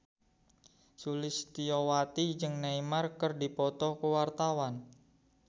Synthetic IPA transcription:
sulɪst̪iɔwat̪id͡ʒɨŋnaimarkərdipɔt̪ɔkəwart̪awan

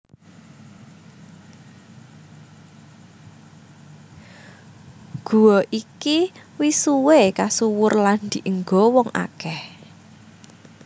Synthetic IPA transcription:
ɡ̥ṳwɔʔikiwisuwekasuwʊrland̪̥i̤ʔəŋɡɔwɔŋʔa̰kɛh

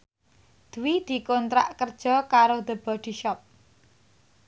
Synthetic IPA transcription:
d̪̥əwid̪̥i̤kont̪ɾa̰ʔkərd̥ʒ̥ɔ̤kaɾod̪̥ə̤b̥ɔ̤d̪̥i̤ʃɔp̚

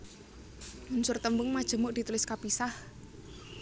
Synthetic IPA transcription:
munsʊrt̪əmbʊŋmad̥ʒ̥ə̤mʊʔd̥i̤t̪ulɪskapisah

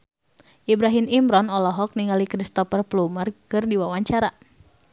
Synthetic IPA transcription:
ʔibɾaɦimimɾɔnɔlɔɦɔk̚niŋalikɾist̪ɔfərplumərkɨrdiwawaɲt͡ʃaɾa

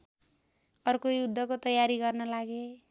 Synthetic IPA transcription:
ʌrkojud̪ʱːʌkot̪ʌjaɾiɡʌrnʌlaɡe

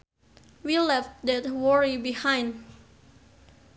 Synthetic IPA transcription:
wilɛftdɛt̚wɔɹibihãjnd

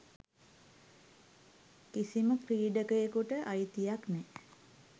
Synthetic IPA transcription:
kisiməkriːɖəkəjəkuʈəʔajit̪ijaknɛ

